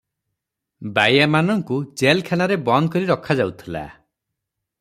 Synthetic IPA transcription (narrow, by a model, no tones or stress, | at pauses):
bajamanɔŋkud͡ʒelkʰanaɾebɔnd̪̚kɔɾiɾɔkʰad͡ʒawt̪ʰila̰